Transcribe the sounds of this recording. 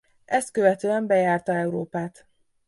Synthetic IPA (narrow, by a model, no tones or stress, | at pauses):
ʔɛst̪̚køvɛt̪øːɛmbɛjaːrt̪ɒɛuɾoːpaːt̪